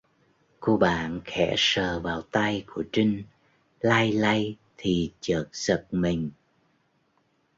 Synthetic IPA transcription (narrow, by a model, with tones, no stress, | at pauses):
ku˧ɓa̰ː˧˨nxɛ̰˧˩˥səː˨˩vaː˨˩wt̪a˧jku˧˩ət͡ɕï˧ŋ̟ | laː˧jla˧j | t̪ʰi˨˩t͡ɕəː˨˩t̚z̥ə˨˩t̚mï˨˩ŋ̟